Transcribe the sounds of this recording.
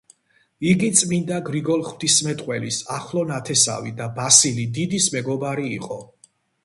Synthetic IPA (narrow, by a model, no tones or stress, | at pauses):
iɡit̪sʼmind̪aɡɾiɡɔlˠχwd̪ismɛt̪ʼqʼwɛlisaχlˠɔnat̪ʰɛsa̰vid̪abasilid̪id̪ismɛɡɔbaɾiːqʼɔ